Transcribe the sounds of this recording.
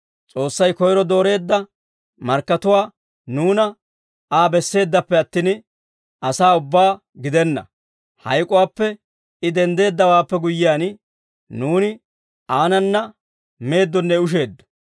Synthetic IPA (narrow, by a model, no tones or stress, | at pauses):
t͡sʼo̞ːsːɐjkɔjɾɔd̪o̞ːɾe̞ːd̪ːɐ | mɐɾkːɐt̪ʊwaː | nuːnɐ | aːbɛsːe̞ːd̪ːɐpːɛɐt̪ːiːn | ʔɐsaːʊbːaː | ɡɪd̪ɛnːɐ̰ | hɐ̰jkʼʊwaːpːɛ | ɪd̪ɛnd̪e̞ːd̪ːɐwaːpːɛɡʊjːɪjaːn | nuːnɪ | aːnɐnːɐ | me̞ːd̪ːɔnːɛʊʃ̬e̞ːd̪ːɔ̥